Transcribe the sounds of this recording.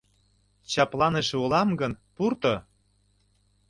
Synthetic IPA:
t͡ɕɑplɑneʃeulɑmɡənpurt̪ɤ̆

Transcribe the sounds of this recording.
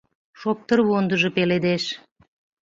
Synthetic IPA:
ʃop̚t̪əɾwond̪əʒə̆peled̪eʃ

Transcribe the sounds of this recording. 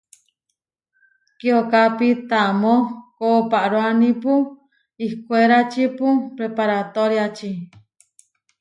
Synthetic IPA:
kiokapit̪amõkopaʔɾoanĩpu | ihkʷeɾat͡ʃipupɾepaɾat̪oɾjat͡ʃi

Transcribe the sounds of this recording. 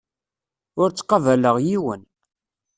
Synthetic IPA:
ʊɾt͡sːqːɑvæləʁjiwən

